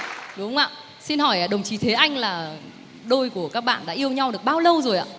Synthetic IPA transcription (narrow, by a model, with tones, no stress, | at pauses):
ɗʊ˨˦˧ŋ͡mʔa̰ː˧˨ | si˧nɦɔ˧˩jʔaː˨˩ɗə˨˩wŋ͡mt͡ɕi˨˦t̪ʰe˨˦ʔa˧jŋ̟laː˨˩ | ɗo˧jku˧˩əkaː˦˥k̚ɓa̰ː˧˨nɗa̰ː˧˥ʔi˧əwɲa˧wɗɨ˨˩ək̚ɓaː˧wlə˧wzo˨˩jʔa̰ː˧˨